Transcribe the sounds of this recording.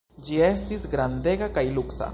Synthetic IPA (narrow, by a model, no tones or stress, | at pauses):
d͡ʒie̞st̪isɡɾand̪e̞ɡakajluksa̰